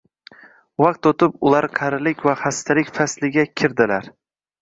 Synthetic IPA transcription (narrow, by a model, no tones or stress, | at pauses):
waq̚t̪ot̪ʰɪpʊlaɾqʰɑɾɪlɪkʲvahast̪ʰalɪkʲfaslɪɡʲakʲʰɪɾd̪ɪlaɾ